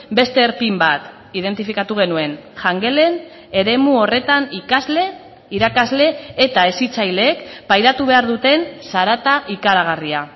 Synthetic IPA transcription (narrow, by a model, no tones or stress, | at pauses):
be̞st̪e̞ːɾpimbat̪ | ið̞e̞nt̪ifikat̪uɣ̞e̞nue̞nʝaŋɡe̞le̞n | e̞ɾe̞muo̞re̞t̪anikazle | iɾakazle̞ːt̪aesit͡sajleːkpajðat̪uβ̞e̞aɾðut̪e̞nsaɾat̪aʔikaɾaɣ̞aria